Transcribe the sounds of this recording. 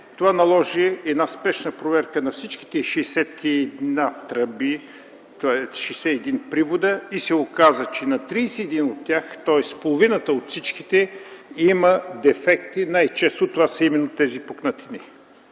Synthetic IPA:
t̪ovanɐlˠɔʒiɛd̪naspɛʃnəpɾovɛɾkənɐfsit͡ʃk̟i̥t̪ɛiʃɛsɛt̪kʰid̪nat̪ɾəbi | t̪aɛʃɛjsɛɛd̪inpɾivod̪əisɛokazət͡ʃɛnɐt̪ɾiːsɛɛd̪inot̪ːjaxt̪ɔɛspolˠovinət̪əot̪fsit͡ʃkit̪ɛiməd̪ɛfɛkt̪inajt͡ʃɛst̪ot̪ovasəimɛnːot̪ɛzipoknat̪ini

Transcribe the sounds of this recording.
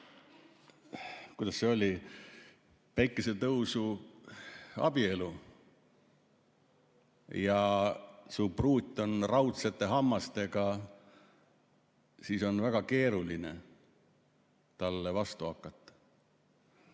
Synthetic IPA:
kujd̪̥ɑsːeo̞lʲi | pæjkːˑese̞t̪ɤwsu | ɑ̰b̥ie̞lu | jɑ | supruːt̪ʲːˑo̞nrɑwt̪set̪ːˑe̞ɦɑmːɑst̪e̞ɡɑ | siːso̞nvæɡ̥ɑke̞ːɾulinḛ | t̪ɑlːevɑst̪uɑkːˑɑt̪ːˑɑ̥

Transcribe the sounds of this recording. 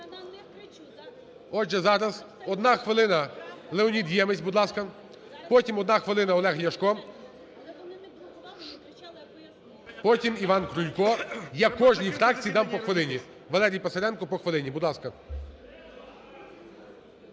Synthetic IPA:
ɔd͡ʒɛzɑɾɐz | ɔd̪nɑxʋɪlˠɪnɐlˠeɔnʲid̪jɛmɪsʲbʊd̪lˠɑskɐ | pɔtʲimɔd̪nɑxʋɪlˠɪnɐɔlˠɛɦjɐʃkɔ | pɔtʲimiʋɑnkɾʊlʲkɔjakɔʒnʲifɾɑk̚t͡sʲijd̪ɑmpɔxʋɪlˠɪnʲi | ʋɐlˠɛɾʲijpɐsɐɾʲɛnkɔpɔxʋelˠɪnʲibuʊd̪lˠɑskɐ

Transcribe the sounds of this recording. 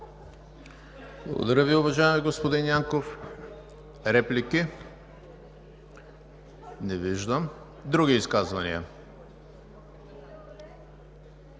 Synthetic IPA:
blˠə̰ɡo̰d̪ɐɾəviʊvɐʒaɛmiɡospod̪injaŋkof | ɾɛpliki | nɛviʒd̪əm | d̪ɾuɡʲiːskazvɐnḭɐ̰

